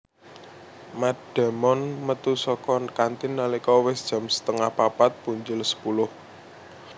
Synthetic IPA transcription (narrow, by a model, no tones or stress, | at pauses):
mad̥a̤mɔnmət̪usɔkɔnkant̪ɪnːalikɔwɪsd̥ʒ̥ä̤msə̥t̪əŋahpapat̪̚puɲd͡ʒʊlsə̥pulʊh